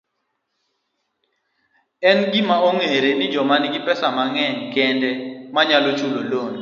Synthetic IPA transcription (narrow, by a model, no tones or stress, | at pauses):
ɛnɡimaoŋeɾenɪd͡ʒɔmanɪɡɪpɛsamaŋɛŋkɛndɛmaɲalot͡ʃulolon